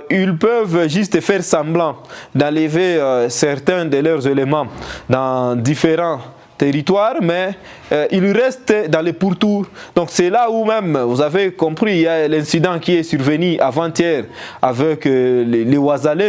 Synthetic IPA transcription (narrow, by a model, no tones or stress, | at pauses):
ilpøvʒyst̪əfɛʁsɑ̃blɑ̃d̪ɑ̃ləvesɛʁt̪ɛ̃d̪əlœʁzelemɑ̃d̪ɑ̃d̪ifeʁɑ̃ | t̪eʁit̪waʁmɛ | ʔilʁɛst̪d̪ɑ̃lepuʁt̪uʁd̪ɔ̃ksɛlaumɛmvuzavekɔ̃pχialɛ̃sid̪ɑ̃kʲiɛsyʁvənyʔavɑ̃t̪jɛʁavɛklewazale